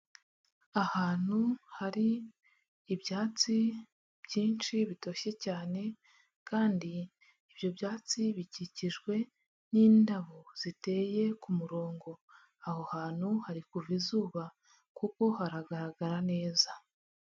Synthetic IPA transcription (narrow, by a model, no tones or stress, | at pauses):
ahaːn̥huhaɾiː | bjaːt͡si | b̥ɟiːnt͡ʃiβito̞ɕe̞caːne̞ | kaːndiː | bjo̞bjaːt͡siβiɟiciʒɡwe̞ | niːndaβoz̥ite̞ːje̞kumuɾo̞ːŋɡo̞ | ahohaːn̥huhaɾikuvizuːβa | kuko̞haɾaɡaɾaɡaɾane̞ːza